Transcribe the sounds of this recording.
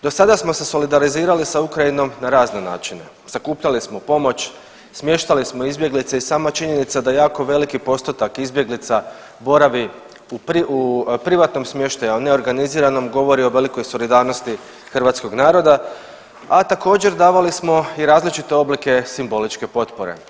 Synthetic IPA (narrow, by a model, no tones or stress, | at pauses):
d̪o̞sad̪asmo̞seso̞lid̪aɾiziːɾalisaukɾaino̞mnaɾaːzne̞na̰ːt͡ʃine̞̰ | z̥akuːpʎalismo̞po̞mo̞t͡ɕ | smje̞ʃt̪alismoizbje̞ɡlit̪seisaːmat͡ʃiɲe̞nit̪sad̪ajaːko̞ʋe̞likipo̞st̪ot̪akizbje̞ɡlit̪sa | bo̞ɾaʋi | upiupɾiʋat̪no̞msmje̞ʃt̪ajuone̞o̞ɾɡaniziːɾano̞mɡo̞ʋo̞ɾio̞ʋe̞liko̞jso̞lid̪aːɾno̞st̪i | xrʋaːt̪sko̞ɡnaːɾo̞d̪a | at̪ako̞ːd͡ʑe̞ɾd̪aːʋalismo̞iɾaːzlit͡ʃit̪e̞o̞blike̞simbo̞lit͡ʃke̞po̞t̪poɾe̞̰